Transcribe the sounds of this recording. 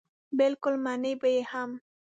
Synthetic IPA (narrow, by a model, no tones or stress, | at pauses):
bɪlkʊlmanəjbajeham